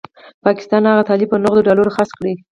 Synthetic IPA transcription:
pɑkɪ̥st̪ɑnhaɣat̪ɑlib̚pənʊɣd̪oɖɑloɾoxaskɽi

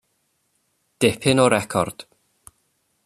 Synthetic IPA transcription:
d̥ɪpʰhɪnɔɾɛkʰɔ̰rd̥

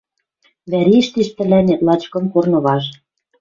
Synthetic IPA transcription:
βæɾiʃt̪iʃp̪ɘ̆lænĕt̪lɑt͡ɕkɤ̆mkornɤ̆βɑʃ

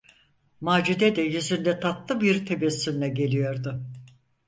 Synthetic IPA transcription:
maːd͡ʒud̪ɛd̪ɛjyzynd̪ɛt̪ʰat̪lˠɯbiɾt̪ʰe̞bɛsːymlʲɛɟe̞lʲijo̞ɾd̪ʊ

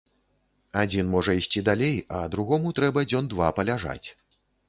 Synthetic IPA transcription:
ad͡zʲinmɔʐɐisʲt͡sʲid̪alʲejɐd̪ɾuɣɔmut̪ɾɛbɐd͡zʲɔnd̪vapɐlʲaʐa̰t͡sʲ

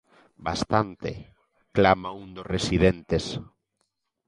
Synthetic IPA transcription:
ba̰st̪ant̪ḛ | klamaũnd̪osresiðent̪es

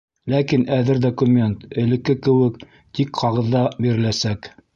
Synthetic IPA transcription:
lækinæðɘɾd̪okumʲent̪ɘ̆lɘ̆kːɘkɘ̆wɘk | t̪ikqɑʁɤ̆ðːɑbiɾɘ̆læsæk

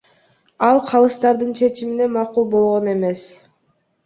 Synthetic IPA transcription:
ɑlˠqʰɑlˠɯst̪ɑɾd̪ɯnt͡ʃʰe̞t͡ʃimine̞mɑqulˠbo̞lˠʁo̞ne̞me̞s

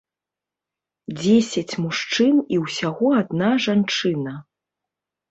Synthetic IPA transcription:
d͡zʲesʲɐt͡sʲmuʂt͡ʂɨniwsʲaɣɔad̪̚naʐant͡ʂɨnɐ

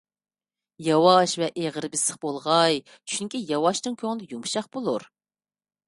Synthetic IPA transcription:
jɑwɑʃvɛʔeʁəɾbɪsəχbolˠʁɑj | t͡ʃʰyŋkʲijɑwɑʃnɨŋkʲʰøŋlɪjumʃɑχb̥olˠuɾ

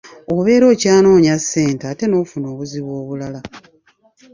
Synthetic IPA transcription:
oβe̞ːɾo̞ːcaːno̞ːɲasːe̞ːnteaːte̞no̞ːfuno̞ːβuziβwoːβulala

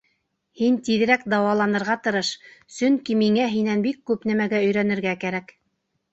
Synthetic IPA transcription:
hint̪iðɘ̆ɾækd̪ɑwɑlˠɑnɤ̆ɾʁɑt̪ɤ̆ɾɤʃsɵŋkimiŋæɦinænbikːʉpnæmæɡæɵ̆jɾænɘ̆ɾɡækæɾæk

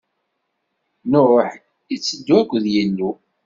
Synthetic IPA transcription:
norˤoħ | it͡sːəd̪ːuækʷːðjinːu

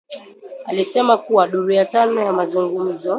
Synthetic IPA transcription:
alisɛmakuwaɗuɾujatanɔjamazuŋɡum̩zɔ

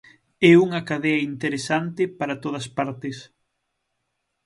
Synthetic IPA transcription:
ɛuŋɐkaðɛɐint̪eɾesant̪ɪpaɾɐt̪oð̞ɐspaɾt̪ɪs

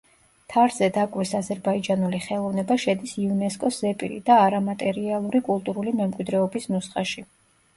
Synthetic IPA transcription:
t̪ʰaɾz̥ɛd̪akʼwisazɛɾbaid͡ʒanuliχɛlˠɔvnɛbaʃɛd̪isiunɛskʼɔszɛpʼḭɾḭd̪aːɾamat̪ʼɛɾialˠuɾikʼulˠt̪ʼuɾulimɛmkʼwid̪ɾɛɔbisnusχʼaʃi

